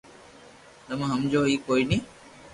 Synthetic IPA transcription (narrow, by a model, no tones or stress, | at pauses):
t̪əmãɦəmd͡ʒoːɦiːkoːiːnĩː